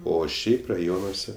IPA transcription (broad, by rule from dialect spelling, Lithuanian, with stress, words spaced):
ˈoː ˈʃʲɛɪp rɐˈjoːnuɔsʲɛ